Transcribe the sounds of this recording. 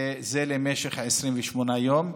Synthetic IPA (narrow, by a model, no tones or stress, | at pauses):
zelemeʃeχhaʕesʁimvɛʃmonajom